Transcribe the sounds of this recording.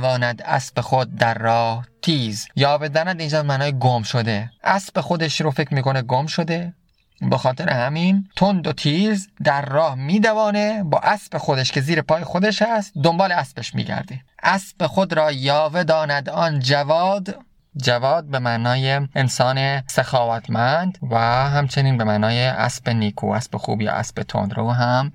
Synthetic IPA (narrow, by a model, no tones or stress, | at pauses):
vɒːnæd̪æ̰sbexod̪̚ːæɾːɒːht̪ʰiːzjɒːve̞d̪ɒːnæd̪iːnd͡ʒɒːbemæːnɒːjeɡomʃod̪e̞ʔæsb̥e̞xod̪eʃɾofe̞cʰɾmiːko̞neɡomʃod̪e̞ | bexɒːt̪ʰe̞ɾʔehæmiːnt̪ʰond̪ot̪ʰiːzd̪æɾːɒːhmiːd̪ævɒːne̞bɒːʔæsbe̞xod̪eʃkʰe̞ziːɾepʰɒːjexod̪eʃhæst̪̚d̪o̞mbɒːleæsbeʃmḭːɟæ̰ɾd̪eʔæsb̥exod̪ɾɒːjɒːve̞d̪ɒːnæd̪ɒːnd͡ʒævɒːd̪ | d͡ʒævɒːd̪̚be̞mæʔnɒːjeensɒːnesexɒːvæt̪ʰmænd̪væɦæmt͡ʃʰe̞niːnbemæːnɒːjeʔæ̰sb̥eniːkʰṵːæ̰sbexṵːbjɒ̰ːʔæ̰sbet̪ʰo̰nd̪ɾoːɦæm